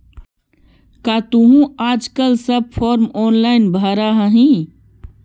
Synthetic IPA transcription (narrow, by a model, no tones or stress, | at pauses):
kaːt̪uɦũaːd͡ʒkəlsəb̚pʰɔːɾmɔːnlaːɪnbʱaɾaɦəɦĩ